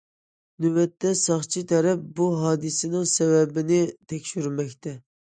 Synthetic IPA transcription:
nywɛt̪ʰːɛsɑχt͡ʃʰit̪ʰɛɾɛp̚buɦɑːd̪ɨsɪnɪŋsɛwɛbɪnɪt̪ʰɛkʲʃyɾmɛkʲt̪ʰɛ

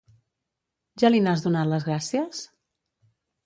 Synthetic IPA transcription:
ʒalinazðunat̪ləzɣɾasiəs

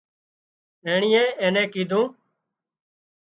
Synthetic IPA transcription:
eːɳɪːẽːeːnẽːkiːd̪ʱũː

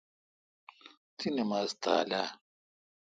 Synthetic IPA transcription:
t̪ʰinemaːzt̪ʰa̰ːla

